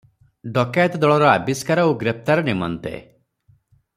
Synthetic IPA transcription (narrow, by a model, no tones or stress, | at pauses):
ɖɔkajt̪d̪ɔɭɔɾɔabiskaɾɔuɡɾep̚t̪aɾɔnimɔ̰nt̪ḛ